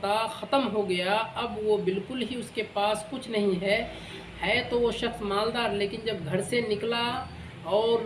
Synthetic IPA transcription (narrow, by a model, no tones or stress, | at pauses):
t̪axɐt̪əmɦoɡɐjaɐbʋobɪlkʊlɦiʊskepaːskʊt͡ʃʰnɐɦĩɦɛ | hɛt̪oʋoʃɐxsmaːld̪aːɾleːkɪnd͡ʒɐbɡʱɐɾsenɪkla | ɔːɾ